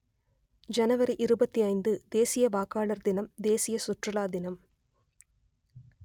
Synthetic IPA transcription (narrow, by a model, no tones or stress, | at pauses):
d͡ʒɐnɐʋɐɾiʔɪɾɯbɐt̪ːiɐɪnd̪ɯd̪eːsɪjɐʋaːkaːɭɐɾd̪ɪnɐmd̪eːsɪjɐsʊʈrɐlaːd̪ɪnɐm